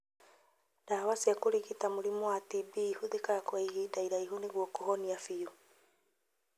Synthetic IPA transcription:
d̥awasiakoɾiɣitamuɾimɔwatibihuðekaɾakwaiɣidaiɾaiɦuniɣwɔkɔɦɔniafiju

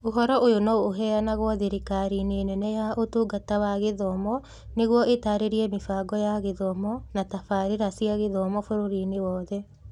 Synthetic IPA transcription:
oɦɔɾɔʔojonooɦɛanaɣwɔðeɾikaɾineenɛnɛjaʔotuɡatawaɣeðɔmɔ | neɣwɔʔetaɾeɾiɛmefaːɡɔjaɣeðɔmɔnatafaɾeɾasiaɣeðɔmɔfoɾoɾinewɔːðɛ

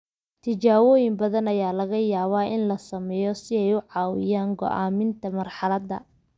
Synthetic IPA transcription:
t̪ʰɪt͡ʃaːwɔːjɪmbɐðɐnɐjaːlɐɣɐjaːβaːɪnlɐsɐmɛjɔsɪɛjʊʕɑːwɪjaːŋɡɔ̰ʔaːmɪnt̪ʰɐmɐrħɑlɐd̪ɐ̰

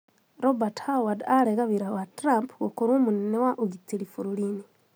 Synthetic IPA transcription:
ɾobathawadaleɣaβiɾawatɾampɣokuɾumuninewaʔuɡitilifuɾulini

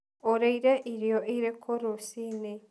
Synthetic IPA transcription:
oɾeiɾeʔiɾjoʔiɾekʰoɾosine

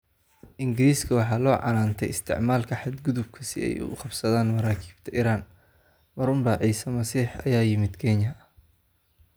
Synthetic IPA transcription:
ʔɪŋɡɪɾiːskʰɐwɑħɑːlɔːʕɑ̰naːnt̪ʰɛjɪst̪ʰɪ̰ʕmaːlkʰɐħɑd̪ɡʊðʊb̚kʰɐsɪ̰ɛ̰jʊ̰qɑbsɐðaːnmɐɾaːkʰi̥ːbt̪ʰɐʔiːɾaːn | mɐɾʊmbɐʕiːsɐmɐsiːħɐ̰jaːjɪmɪd̪kʰɛːɲɐ

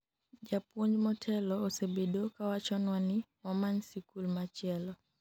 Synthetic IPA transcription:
d͡ʒapwoɲd͡ʒmɔtʰɛlɔːsebedokawat͡ʃɔnwani | mamaɲsikulmat͡ʃɛlɔ

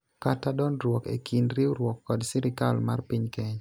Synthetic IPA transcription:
katadɔnɾwɔkḛkʰinɾiwuɾwɔkːɔdsɪɾɪkalmarpiɲkɛɲ

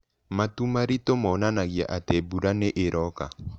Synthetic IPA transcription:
matumaɾitomɔnanaɣja̰ʔatebuɾaneʔeɾʔɔka

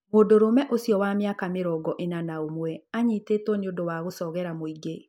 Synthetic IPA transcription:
mondoɾomɛʔosijɔwamjakameɾɔɡɔʔenanaomwɛaɲiːtetwɔneondowaɣosɔɣɛɾamoiɡe

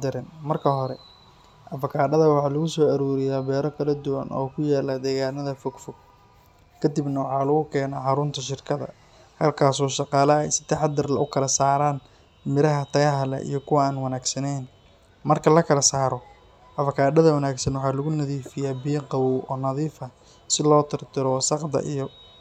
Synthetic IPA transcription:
d̪ɪɾɪnmɐrkʰɐɦɔɾɛ̰ | ʔɐfɐkʰaːɖɐðɐwɑħɑːlʊɣʊsɔːɐɾuːɾɪjaːbɛːɾɔkʰɐlɐd̪ʊwɐ̰nɔ̰ːkʰʊjaːlɐd̪ɛːɣaːnɐðɐfɔɡfɔɡ̥̚ | kʰɐd̪ibnɐwɑħɑːlɐɣʊkʰɛːnaːħɑɾʊnt̪ʰɐʃɪrkʰɐðɐ̰ | hɐlkʰaːsɔːʃɑqɑːlɐɛjsɪ̥t̪ʰɐħɑd̪ɪrlɐʊkʰɐlɐsaːɾaːn | mɪɾɐɦɐt̪ʰɐɣɐɦɐlɛ̰ʔḭjɞkʰʊwɐaːnwɐnaːɡsɐnɛjn | mɐrkʰɐlɐkʰɐlɐsaːɾɔ | ʔɐfɐkʰaːɖɐðɐwɐnaːɡsɐnwɑħɑːlʊɣʊnɐðiːfɪjaːbiːqɑwuʔɔːnɐðiːfɐ | sɪlɔːt̪ʰɪrt̪ʰɪɾɔsɑqd̪ɐ̰ʔijɔ

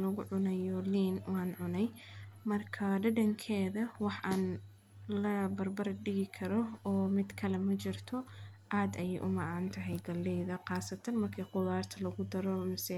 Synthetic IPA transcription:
lɐɣʊʕʊnɛjɔliːnwɑːnʕʊnɛj | mɐrkʰɐɖɐɖɐŋkʰɛːðɐwɑħʔaːn | lɐbɐrbɐɾɐɖɪɣɪkʰɐɾɔɔːmɪd̪kʰɐlɛmɐt͡ʃɪrt̪ʰɔʔaːd̪ɐjɛjʔʊ̰mɑʕaːnt̪ʰɐɦɛjɡɐlːɛjðɐqɑːsɐt̪ʰɐnmɐrkʰiːqʊðaːrt̪ʰɐlɐɣʊd̪ɐɾɔmɪsɛ

